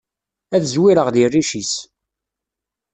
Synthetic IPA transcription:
æθəzwiɾəʁðirːiʃis

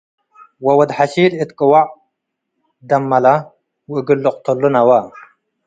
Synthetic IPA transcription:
wɐwɐd̪ħaɕiːlit̪kɨwaʕ | d̪ɐmːɐla | wɡilːʊq̚t̪ulːunɐwa

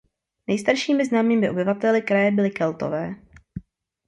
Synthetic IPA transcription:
nɛjst̪aɾʃiːmɪznaːmiːmɪʔo̞bɪvat̪ɛlɪkɾajɛbɪlɪkɛlt̪o̰vɛː

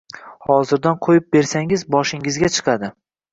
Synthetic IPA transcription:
hɒzɪɾd̪anqʰojɪp̚be̞ɾsaŋɪzbɒʃɪŋɪzɡʲat͡ʃʰɨ̥qʰɑd̪ɪ

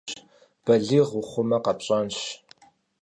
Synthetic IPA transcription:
b̥ɐɮiʁʊχʷʊmɐqɐpɕʼɐnɕ

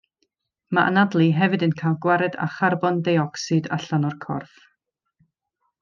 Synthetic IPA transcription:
maʔa̰nadlˠiɦɛvɨdənkʰajlˠɡwaɾɛda̰χarbɔndajɔksɨda̰ɬanɔrkʰɔ̰rθ

